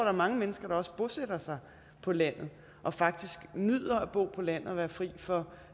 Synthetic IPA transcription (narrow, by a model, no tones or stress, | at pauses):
ɐdɾɑ̈mɑ̈ŋəmenəsɡ̥ɐɾ̥ɑ̈ɒ̽sə̥b̥o̝sed̥ɐsɑ̈ɪ | pʰɒ̽læn̰ð̩ˠ | ʔɒ̽fɑ̈ɡ̥̚d̥isɡ̥nyð̰ˠɐæb̥o̝̰ːpʰɒ̽læn̰ð̩ˠɒʋæːɐfʁḭːfɒ̽